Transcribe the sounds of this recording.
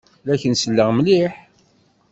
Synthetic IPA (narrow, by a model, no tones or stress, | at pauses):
læçənsəlːəʁmliħ